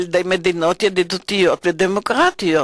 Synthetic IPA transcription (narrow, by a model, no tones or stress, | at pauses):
ld̪ejmed̪inot̪jed̪id̪ot̪ijot̪ved̪emokʁat̪io